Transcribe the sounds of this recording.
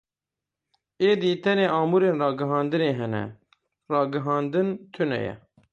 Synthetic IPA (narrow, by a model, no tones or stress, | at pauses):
eːd̪iːt̪ʰɛneːʔɑːmuːɾeːnrɑːɡɨɦɑːnd̪ɨneːɦɛnɛ̰ | rɑːɡɨɦɑːnd̪ɨnt̪ʰɨnɛ̰jɛ̰